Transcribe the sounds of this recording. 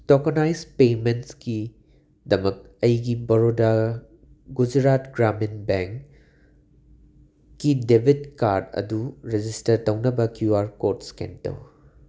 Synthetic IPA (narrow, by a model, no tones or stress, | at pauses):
tokonajzpementski | dɐmɐk̚ɐjɡibɐɾoda | ɡud͡ʒɾatɡɾaminbeŋk | idebʱitkaɾdɐ̰duɾed͡ʒistɐɾtɐwnɐbɐkjuaɾkoɾtskḛntɐ̰w